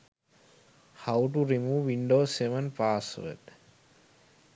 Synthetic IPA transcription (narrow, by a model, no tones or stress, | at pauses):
haʊʈuɾimuːʋːĩɳɖoːseʋə̃npaːsʋə̰d̪